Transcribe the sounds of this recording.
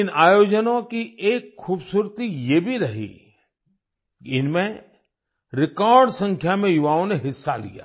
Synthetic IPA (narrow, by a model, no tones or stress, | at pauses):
ɪnaːjoːd͡ʒənõkieːkʰːuːbsuːɾt̪ijeːbʱiɾɐɦḭ | ɪnmẽ | ɾɪkɔːɾɖsə̃ŋkʰjamẽjʊʋaːõneɦɪsːalḭja̰ː